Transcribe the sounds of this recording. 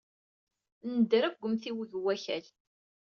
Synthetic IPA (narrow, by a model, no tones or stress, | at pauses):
nəd̪ɾæfɡʷəmθiwðwːæçæl